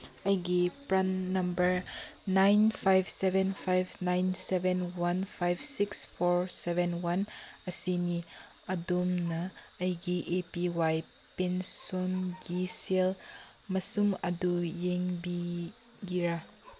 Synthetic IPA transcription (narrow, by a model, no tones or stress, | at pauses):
ɐjɡipɾɐnːɐmbəɾnajnpʰajbsɛvɛnfʰajbnajnsɛvɛnwɐnfʰajbsikspɔɹsɛvɛnwɐnɐsini | ɐdumnɐɐjɡiʔepiwaj | pensɔnɡisel | mɐsumɐdujeŋbi | ɡiɾa